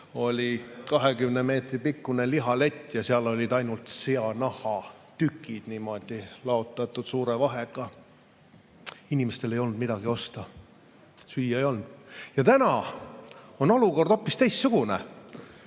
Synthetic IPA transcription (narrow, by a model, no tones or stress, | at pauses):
o̞lʲikɑɦeɡymneme̞ːt̪ripikːuneliɦɑle̞t̪ʲːˑjɑseɑlo̞lʲid̪̥ɑjnult̪seɑnɑhɑt̪ykːˑid̪̥nimo̞d̪̥ilɑo̞t̪ːˑɑt̪ːˑud̪̥suːɾevɑɦeɡ̥ɑ | inʲimest̪e̞le̞jo̞lnd̪̚mid̪̥ɑɡio̞st̪ɑ | syjːɑejo̞lnd̪̥jɑt̪ænɑ | o̞no̞luko̞rd̪o̞pːist̪e̞jst̪suɡ̥unḛ